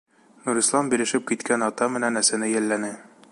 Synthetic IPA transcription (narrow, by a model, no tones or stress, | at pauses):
nuɾislˠɑmbilɘ̆ʃɘp̚kit̪kʰænɒt̪ɑmɘ̆nænæsænɘjælːænɘ